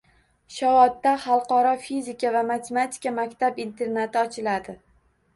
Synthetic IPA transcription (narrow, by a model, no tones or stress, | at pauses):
ʃavɒt̪ːaχɑlˠqɒɾɒfizɪkʲʰavamat̪ʰemat̪ʰi̥kʲamakʲt̪ʰabint̪ʰe̞ɾnat̪ʰɪɒt͡ʃʰɪlad̪ɪ